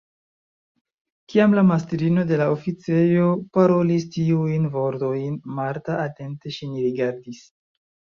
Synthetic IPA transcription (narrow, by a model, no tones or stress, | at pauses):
kiamlamastɾino̞de̞laofit͡se̞jo̞paɾo̞listiujnvo̞ɾto̞jnmaɾtaːte̞nte̞ʃiniɾiɡaɾdis